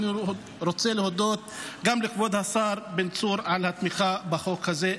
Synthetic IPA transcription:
ni | ɾot͡selehod̪o̞t̪̚ɡamlikbo̞d̪hasaɾbent͡suɾʕalhat̪miχabaχo̞khaze

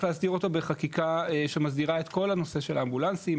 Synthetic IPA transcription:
leastiʁo̞to̞beχakikaeʃemazdiʁaet̪ko̞lhano̞se̞ʃe̞lambulansim

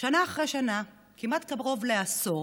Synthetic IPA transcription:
ʃanaːχʁejʃana | kimatkaʁo̞vleaso

